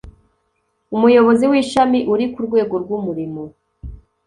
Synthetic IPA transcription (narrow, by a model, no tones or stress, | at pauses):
umujo̞βo̞ziwiʃamiʔuɾikuɾɡwe̞ːɡo̞ɾɡwumuɾimo